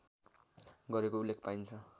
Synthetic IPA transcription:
ɡʌɾekoulːek̚ʰpajnt͡sʰʌ

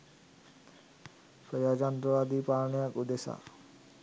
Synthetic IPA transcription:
pɾəjaːd͡ʒand̪ɾəʋaːd̪iːpaːɾɳijãkʊd̪esa̰ː

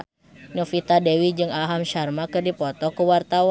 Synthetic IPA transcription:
nɔfit̪adɛwid͡ʒɨŋaɦamʃarmakɨrdipɔt̪ɔkuwart̪awa

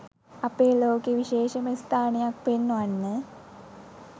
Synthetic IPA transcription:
ɐpeːloːkeʋiʃeːʃɐməst̪ʰaːnejak̚penːanːə

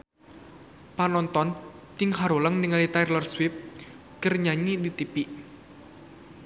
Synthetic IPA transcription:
panɔnt̪ɔn | t̪ɪŋɦaɾoləŋniŋalit̪ajrlɔrswip̚ | kərɲaɲidit̪ipiʔ

